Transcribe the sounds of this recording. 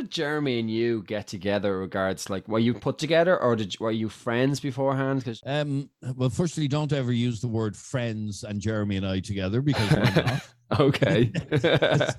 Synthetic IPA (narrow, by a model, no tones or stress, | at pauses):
d͡ʒɜ˞miə̃njəɡɛtʰəɡɛðə˞ɹɪɡaɹdz̥laɪkwə˞jəpʰʊtʰəɡɛðə˞ʔə˞dɪə˞jəfɹɛ̃ndzbɪfɔːɹɦãnd̥kʰʌzʌmwɛlˠfɜ˞stlidõʊ̃ntɛvə˞jʉːzðəwɜ˞d̥fɹɛ̃ndzə̃nd͡ʒɛɹəmiə̃naɪtʰəɡɛðə˞bɪkʰʌz | oʊkʰeɪ